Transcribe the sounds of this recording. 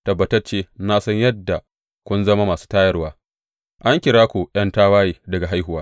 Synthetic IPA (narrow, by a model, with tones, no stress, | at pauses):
tɐ˨bːɐ˨tɐ˦rt͡ʃeː˦naː˦sɐ˦ɲjɐ˦dːa˨ | kʷʊ˦nzɐ˦ma˦maː˨su̥ː˦taː˦jɐ˦rwaː˦ | ʔa˦ŋkʲɪ˨ɽaː˦kʷu˨j̰ɐ˦ntaː˦waː˦jiː˨dɐ˨ɡa˨ɦa˦jɦʊ˨waː˦